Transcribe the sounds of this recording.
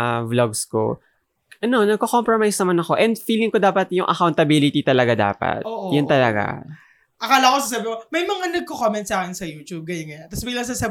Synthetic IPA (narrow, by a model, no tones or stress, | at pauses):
bloɡsko̞̰ | ʔɐno̞nɐɡ̚kokompɹomajsnɐmanɐko̞ʔɛnd̪fiːlɪŋkod̪aːpɐt̪̚jʊŋʔɐ̰kawnt̪ɐbilɪt̪it̪ɐlɐɡad̪a̰ːpɐ̰t̪̚oʔjʊnt̪ɐlɐɡa̰ | ʔɐkaːlɐkosaːs̬abɪkomɐjmɐŋanɐɡ̚kokomɛnt̪̚saːkɪnsɐjuːt̪ub̚ɡɐjʊnɡɐjat̪ɐsbɪɡlɐs̬asab